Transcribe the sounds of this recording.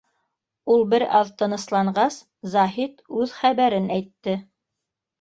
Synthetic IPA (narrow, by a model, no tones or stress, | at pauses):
ulˠbɘɾɑ̰ðt̪ɤ̆nɤ̆slˠɑɴɢɑs | zɑɦit̪ʉðχæβæɾɘnæjt̪ːɘ